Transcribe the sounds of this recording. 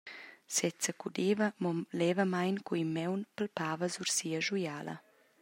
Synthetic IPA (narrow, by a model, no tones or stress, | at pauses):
sɛt͡səkud̪eːvɐmɔlɛːvəmajnkuimːɛwnpəlpaːvəzuɾsiːəʒujaːlɐ̰